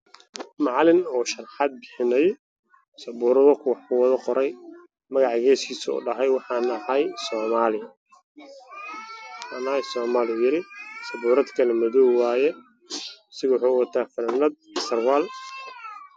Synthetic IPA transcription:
mɑʕlɪnɔːʃɑrħɑd̪̚bɪħɪnɐj | sɐbuːɾɐðɔkʰʊwɑħkʰʊwɑðɐqɔɾɛj | mɐɣɑʕɣɛːskʰiːsʊʊ̰ɖɑɦɛjwɑħɑːnɐhajsɔːmaːlɪjɐ | ħɑːnajsɔːmaːlɪjʊjɪɾɪsɐbuːɾɐd̪kʰɐlɛmɐðɔwwaːjɛ | sɪɣɐwʊħuʊwɐt̪ʰaːfɐnɐnɐd̪̚sɐrwaːl

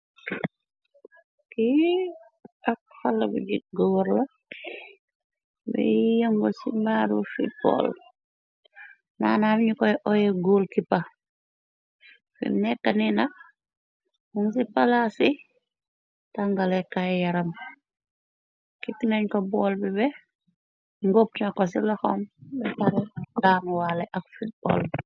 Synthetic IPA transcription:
ki | ɐk̚falːɐbṵɟiɡɔwɔɾlɐ | bɛ̰jɐŋɡɔsimbaːɾufḭbɔ̰l | na̰ːnamɲukɔjʔɔjɛɡulkipa | fḭmnɛkːɐninɐk̚ | muŋsipalasi | taŋɡalɛkajjɐɾɐm | kiknɐɲkɔbɔːlbibɛ | ŋɡop̚tnɐkːɔs̬ilɐxɔmbɛpɐɾɛdaːmwalɛʔɐkfut̚bɔ̰ːl

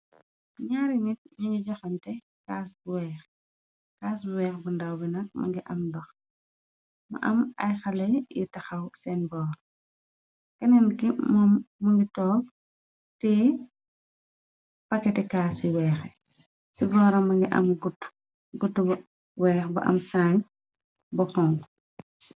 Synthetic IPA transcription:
ɲaɾinitɲiŋɡiɟɐxɐntɛ | kaːsbuwɛːx | kaːsbuwɛːxbundɐwbinɐk̚mɐ̰ŋɡiʔɐmdɔx | mɐ̰ʔɐ̰mɐjxɐlɐjjḭtɐxɐwsɛnbɔːɾ | kɐnɛnkimɔmːɐŋɡitɔːp̚ | tɛ | pɐkːɛtɛkaːsiwɛːxɛ | siɡɔːɾɐmɐŋɡiʔɐ̰mɡutː | ɡutːub | wɛːxbɐ̰ʔɐ̰msaːɲ | bɔkɔŋ

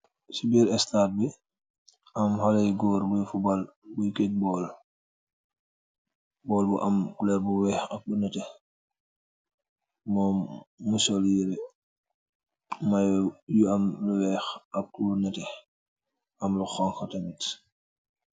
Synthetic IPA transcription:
sibiːɾɛstaːt̚bi | ʔɐmhɔlɛjɡɔːɾbujfubalbujkek̚bɔːl | bɔːlbuʔɐmkulɛɾbuwɛːxɐk̚bunɐtɛ | mɔːmːusɔljiɾɛ | majjuɐmluwɛːxɐk̚kulunɐtɛ | ʔɐmluxɔŋxɐtɐmit

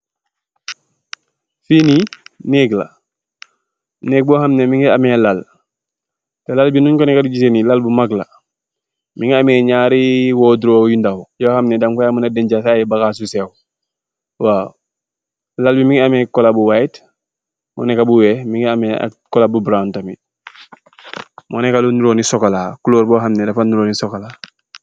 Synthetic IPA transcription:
fiːninɛːkla̰ | nɛːk̚bɔhamnɛmiŋia̰mɛlal | tɛlalbinuɲkɔnɛkadiɟis̬enilalbumaɡla̰ | miŋiamɛɲaːɾiwɔːdɾojindahujɔhamnɛdamkɔjamunadɛɲɟasajɛbakas̬usɛw | wa | lalbimiŋamɛkːɔlabuwait | mɔ̰nɛkabuwɛmiŋamɛa̰kɔlabubɾantami | mɔnɛkalunuɾoːnisɔkalakuloːɾbɔːɦamnedafanuɾoːnisɔkalaː

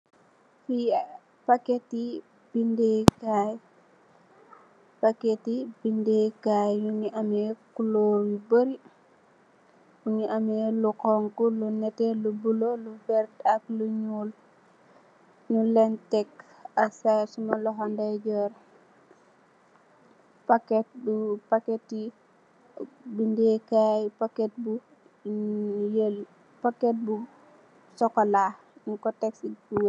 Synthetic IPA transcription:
fi | paketi | b̥indekaj | paketibindekajjuɲiʔamekuloːɾibəɾi | uɲiʔamelukɔŋkulunɛtelubulolubɛɾtakluɲuːl | nulɛntɛk | asasumalɔɦɔndaɟɔr | pakɛt̚bupaketːi | bindɛkajpakɛt̚bu | jl | pakɛt̚bu | sɔkɔla | nkɔtɛksibuw

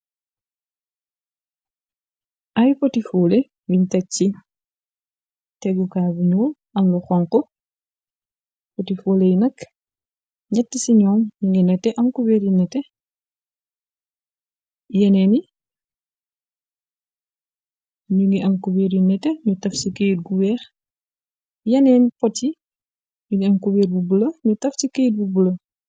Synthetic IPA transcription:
ʔɐjpɔtifuːle | wiɲtɐt͡ʃːi | tɛɡukaːbiɲuːl | ɐmluxɔŋkɔ | potifulejnɐk | ɲɐtːisiɲɔːmɲuŋɡinɛtːɛʔɐmkubeɾinɛtɛ | jɛnɛni | ɲuŋɡiʔɐmkubɛːɾjinɛtːɛɲutɐfsikejt̚buwɛːx | jɐnɛːnpɔti | ɲuɡiɐmkubɛːɾbubulɐɲutɐfsikejt̚bubulɐ

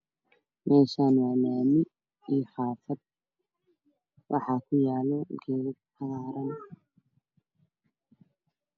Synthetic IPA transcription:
mʔɛːʃaːnwaːlaːmɪ | iːxɑːfɐd̪̚ | wʔɑħɑːkʰʊjaːlɔɡɛːɾɪtʰɐɣɑːɾɐn

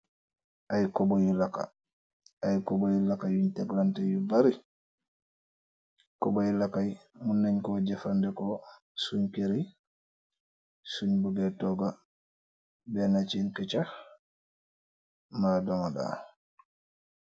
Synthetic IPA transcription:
ʔajkɔbɔjulaka̰ | ajkɔbɔjulakajuɲtɛɡlantɛjubaɾi | kɔbajlakajmunːaɲkɔd͡ʒɛfandɛkɔ | suɲkeɾi | suɲbuɡɛtɔɡa | bɛnat͡ʃinkɛt͡ʃah | maːdɔŋada̰

